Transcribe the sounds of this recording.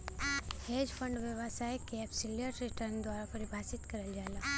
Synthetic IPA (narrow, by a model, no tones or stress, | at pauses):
hed͡ʒpʰə̃ɳɖʋjəʋasajkeːpsɪlijəɾɾɪʈəɾnd̪waːɾapɐɾibʱaːsɪt̪kɐɾəld͡ʒaːela